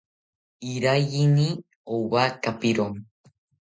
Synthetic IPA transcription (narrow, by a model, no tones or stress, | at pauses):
iɾajini | owakapiɾom